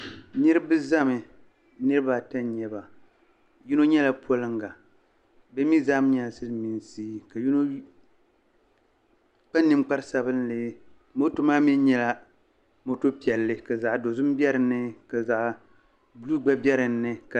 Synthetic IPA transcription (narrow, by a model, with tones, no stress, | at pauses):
nɨ˦ɾɨ˦bɨ˦za˦mɨ˨˦ | nɨ˦ɾɨ˦ba˦˨ta˦n˦ɲɛ˦ba˨ | ju˦no˦ɲɛ˦la˨pʰo˦lɨ˦ŋɡa˨ | bɛ˦mi˦za˦m˦ɲa˨lsɨ˦lmi˨n˨siː˦ka˨ju˦no˦ | k͡pa˦nːɨ˨mk͡pa˦ɾɨ˦sa˦βɨ˦nlɨ˨ | mo˦to˦maː˦mi˦n˦ɲɛ˦la˦ | mo˦to˦pi˨ɛ˨lːɨ˦ka˨za˨ʔdo˨zʊ˦m˦bɛ˦ɾɨ˨nːɨ˦ka˨za˨ʔ | bluː˦ɡ͡ba˦bjɛ˦ɾɨ˨nːɨ˦ka˨